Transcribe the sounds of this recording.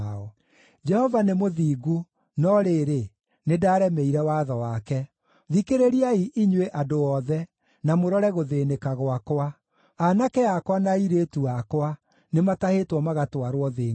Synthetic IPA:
ɔ | d͡ʒɛhɔvanemoðiːɣu | nɔɾeɾe | nedaːɾɛmɛiɾɛwaðɔwakɛ | ðikeɾeɾiaiʔiɲweʔadoɔðɛ | namoɾɔɾɛɣoðenekaɣowakwa | anakɛakwanaiɾetuakwa | nematahetwɔmaɣatwaɾwɔðeː

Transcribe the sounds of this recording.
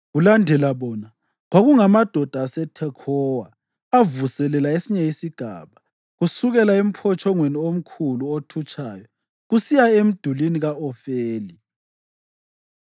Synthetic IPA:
ɣulandʱɛlaβɔna | ɣwaɣuŋamad̥ʱɔd̥ʱaːsɛtʰɛkʰɔwaː | vusɛlɛlaesiɲɛisiɡ̥ʱa̰ːβa | ɣusuɣɛlaem̩pʰɔt͡ʃʰʼɔŋweniom̩kʰuluotʰut͡ʃʰʼaːjɔ | ɣusijaem̩d̥ʱuliniɣaɔfeːli

